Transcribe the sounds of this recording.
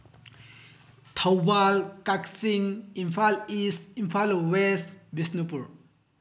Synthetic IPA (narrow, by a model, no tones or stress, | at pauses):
t̪ʰawbalkaksiŋimfʰalisimfʰalwesbisnupuɾ